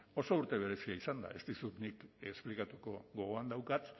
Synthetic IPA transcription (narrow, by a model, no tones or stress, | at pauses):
o̞so̞uɾt̪e̞β̞e̞ɾe̞siaisand̪a̰e̞st̪isut̪nikesplikat̪uko̞ɣo̞ɣoand̪awkat̪